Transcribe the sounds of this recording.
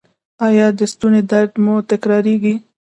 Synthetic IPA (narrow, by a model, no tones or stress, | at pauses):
ɑjɑd̪əst̪uned̪aɾd̪mot̪akɾɑɾiɡi